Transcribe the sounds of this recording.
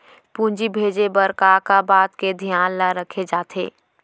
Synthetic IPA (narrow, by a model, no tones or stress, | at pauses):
pũːnd͡ʒibʱeːd͡ʒebəɾkakabaːt̪ked̪ʱjaːnlaɾəkʰed͡ʒaːt̪ʰḛː